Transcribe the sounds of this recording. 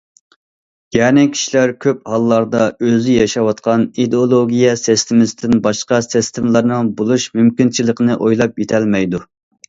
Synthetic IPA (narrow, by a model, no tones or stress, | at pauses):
jɛnɪkʲʰi̥ʃilæɾkʲʰøp̚hɑlˠːɑɾd̪ɑøzɪjɑʃɑwɑt̪̚qʰɑnid̪olˠoɡʲijɛsest̪ʰɪmɪsɪt̪ɪnbɑʃqɑsɪst̪ʰɪmlˠɑɾnɨŋbolˠuʃmymkʲint͡ʃʰilˠəqənɨʔojlˠɑpjet̪ʰɛlmɛjd̪u